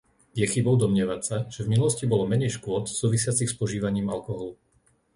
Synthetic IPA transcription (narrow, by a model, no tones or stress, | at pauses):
jɛxibɔʊd̪ɔmɲɪɛʋatsaʒ̥ɛvminulɔscibɔlɔmɛɲɛjʃkʊɔt̪suːʋisɪat͡sixspɔʒiːʋaɲiːma̰lkɔɦɔlu